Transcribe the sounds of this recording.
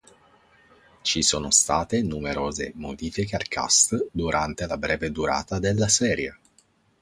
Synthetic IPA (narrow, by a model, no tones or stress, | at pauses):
t͡ʃisoːnost̪aːt̪enumeɾoːzḛmo̰d̪iːfikearkʰa̰st̪d̪uɾʔant̪elabɾɛːved̪uɾa̰ːt̪ad̪elːasɛːɾja